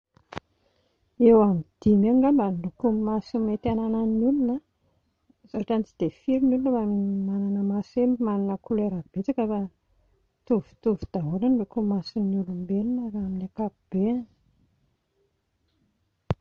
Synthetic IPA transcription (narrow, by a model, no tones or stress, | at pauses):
ewamid̪̥imeŋɡambalukumasimet̪anananulunə | zaaʈ͡ʂant͡sid̪̥efiɾinulunbaminimananəmasemimananəkuleɾab̥et͡sakəfa | t̪uvu̥t̪uvu̥d̪̥aɦuɾanukumasinulumbelunaaminakapub̥en